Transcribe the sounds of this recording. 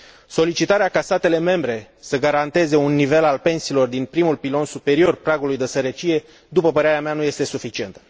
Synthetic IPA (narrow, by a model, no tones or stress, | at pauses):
so̞lit͡ʃit̪aɾeakast̪at̪e̞le̞me̞mbɾe̞ | səɡaɾant̪e̞ze̞unːive̞lalpe̞nsiːlo̞rd̪inpɾimulpilo̞nsupe̞ɾio̞rpɾaɡulujd̪e̞səɾət͡ʃije̞ | d̪upəpəɾeaɾeameanuje̞st̪e̞sufit͡ʃie̞nt̪ə̥